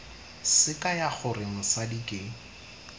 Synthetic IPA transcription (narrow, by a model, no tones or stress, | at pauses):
sɪkʼajaχʊrɪŋ̩sadikʼɪ